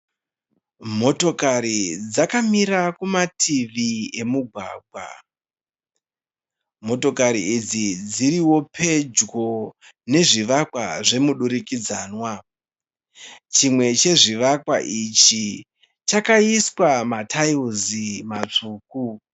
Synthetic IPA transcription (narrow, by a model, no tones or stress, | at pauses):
mo̞to̞kaɾid͡zakamiɾakumatʰiʋie̞muɡʱwa̰ːɡʱwa̰ | mo̞to̞kaɾiid͡zid͡ziɾiwo̞pʰe̞d͡ʒɡo̞ | ne̞ʐiʋakwa̰ʐe̞muɗuɾikid͡zaːnwa | t͡ʃimwe̞t͡ʃe̞ʐiʋakwa̰ʔit͡ʃi | t͡ʃakaiswamatʰajuzimat͡ʂuːk̚u